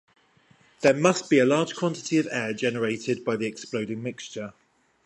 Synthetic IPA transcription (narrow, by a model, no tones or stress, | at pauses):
ðəmʌsb̥iəlɑːd̥ʒ̥kʰw̥ɒ̃ntɪ̥tʰiəvɛːd͡ʒɛnəɹeɪtʰɪd̚baɪðiɛkspləʊdɪ̃ŋmɪkst͡ʃə